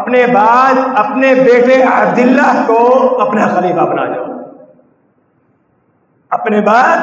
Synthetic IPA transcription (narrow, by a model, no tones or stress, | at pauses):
ɐpnebaːd̪ɐpnebeːʈeabd̪ɪlːakoɐpnaxɐliːfabɐna̰ːd͡ʒa̰ | ɐpnebaːd̪